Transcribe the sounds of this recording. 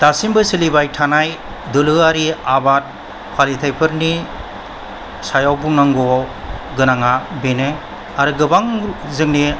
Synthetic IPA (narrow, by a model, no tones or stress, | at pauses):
d̥asimbɯsilibajtʰanaj | dɯlɯaɾiabat̚ | pʰalitʰajpʰɯɾni | sajawbuŋnaŋɡɔwɡɯnaŋabenɯ | aɾɯɡɯbaŋzɯŋni